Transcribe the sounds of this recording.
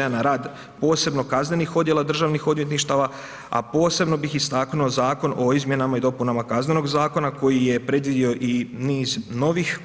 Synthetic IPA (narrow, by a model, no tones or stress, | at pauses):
anaɾaːd̪ | po̞ːse̞bno̞kazne̞nixo̞d̪je̞lad̪r̩ʒaːʋnixo̞d̪mje̞t̪niʃt̪aʋa | a̰po̞ːse̞bno̞bixist̪aknuozaːko̞no̞izmje̞namaid̪o̞punamakazne̞no̞ɡzaːko̞nako̞jije̞pɾe̞d̪ʋid̪io̞ʔiniːzno̞ʋix